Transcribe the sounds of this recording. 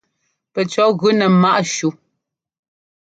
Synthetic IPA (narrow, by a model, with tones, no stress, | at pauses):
pɛ˨t͡ʃɔ˨˦ɣʉ˨˦nɛ˨ma˦ʔʃu˨